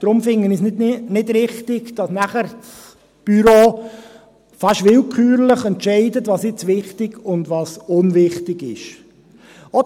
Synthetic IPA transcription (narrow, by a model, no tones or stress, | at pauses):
d̥ɾʊmfɪŋːənisnɪnɪdɾɪχtɪɡd̥ɑsnæχəɾt͡s | b̥yɾoː | fɑʃʋɪlkʰyːɾləχɛntʃɛɪdətʋɑːsjɪt͡sʋɪχtɪɡʊndʋɑːsʊnʋɪχtɪɡɪʃ | ɔ